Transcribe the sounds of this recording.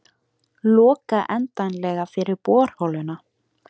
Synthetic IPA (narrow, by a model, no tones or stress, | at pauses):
lɔːkaʔɛnt̪anlɛɣafɪɾɪɾpɔːɾ̥hɔlʏna